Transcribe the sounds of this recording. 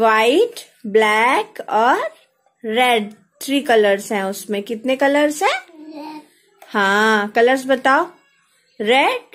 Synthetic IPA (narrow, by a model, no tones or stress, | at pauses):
ʋaːɪʈ | blɛːkɔːɾː | ɛːɖ | t̪ʰɾiːkɐləɾsɦɛ̃ʊsmẽkɪt̪nekɐləɾsɦɛ̃ː | hãːkɐləɾs̬bɐt̪aːo | ɾɛɖ̚